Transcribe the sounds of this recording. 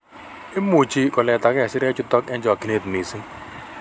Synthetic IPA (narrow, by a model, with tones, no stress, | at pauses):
ɪ˦mːu˨t͡ʃi˦kɔ˨lɛ˨t̪a˨kɛ˦˨sɪ˦ɾɛ˦t͡ʃʊ˦t̪ɔ˦kɛ̃˦d͡ʒɔ˨ki˨˦ne˦˨t̪ni˨sɪ˦